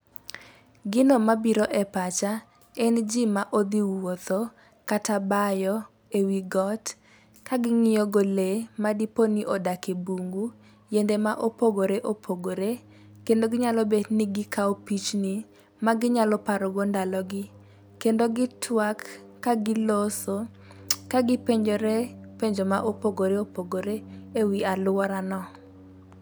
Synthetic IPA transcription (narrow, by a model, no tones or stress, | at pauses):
ɡɪnomabiɾoʔɛpat͡ʃa | ɛnd͡ʒimaʔod̪iwot̪o | katabajɔ | ewiɡɔt | kaɡɪŋɪjɔɡolemadiponiʔodakebuŋɡu | jendemaʔopoɡoɾeʔopʰoɡoɾe | kendoɡɪɲalɔbedniɡɪkaopit͡ʃni | maɡɪɲalɔpaɾɔɡɔndalɔɡɪ | kendoɡɪtʰwakː | aɡɪloso | kaɡɪpeɲd͡ʒoɾepeɲd͡ʒomaʔopoɡoɾeopoɡoɾeewialʊwɔɾanɔ